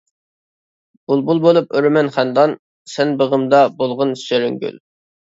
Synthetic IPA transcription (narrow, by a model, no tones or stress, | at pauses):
b̥ulˠbulˠbolˠupøɾmɛnχænd̪ɑn | sɛnbəʁəmd̪ɑbolˠʁʊnsʃeɾyŋɡʲy̰l